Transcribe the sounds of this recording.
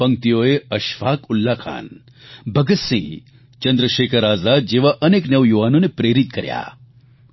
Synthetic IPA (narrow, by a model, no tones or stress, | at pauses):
pɐ̃ŋ̚t̪ijoːeɐʃʋaːkʊlːakʰa̰ːn | bɐɡɐt̪sḭ̃ | t͡ʃɐnd̪ɾəʃeːkʰəɾaːzaːd̪̚d͡ʒeːʋaʔɐneːknɐʋjuʋaːnõnepɾeːɾit̪kɐɾja̰ː